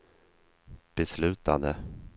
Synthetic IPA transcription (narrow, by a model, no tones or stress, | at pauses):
b̥ɛslʉ̟ːt̪ad̪ə